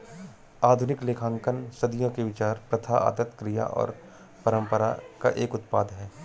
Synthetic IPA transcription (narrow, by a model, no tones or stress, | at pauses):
aːd̪ʱʊnɪkleːkʰãːŋkənsɐd̪ijõkeʋɪt͡ʃaːɾpɾɐt̪ʰaa̰ːd̪ət̪kɾija̰ʔɔ̰ːɾ | pɐɾə̃mpəɾa̰ka̰ʔeːkʊt̪paːd̪ɦɛː